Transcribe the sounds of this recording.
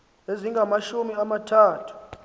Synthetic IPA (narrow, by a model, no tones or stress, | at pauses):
eziŋɡʱamaʃumiamatʰaːtʰu̥